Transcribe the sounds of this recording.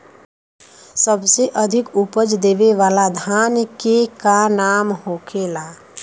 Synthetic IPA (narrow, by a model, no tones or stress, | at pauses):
səbseʔəd̪ʱɪkupəd͡ʒd̪eːʋeʋaːlad̪ʱaːnkekanaːmhoːkʰeːlaː